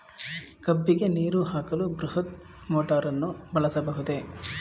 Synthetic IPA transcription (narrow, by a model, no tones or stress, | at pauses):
kɐbːiɡe̞niːɾuɦaːkɐlubɾuɦɐt̪ | moːʈaːɾɐnːubɐɭɐsɐbɐɦud̪e̞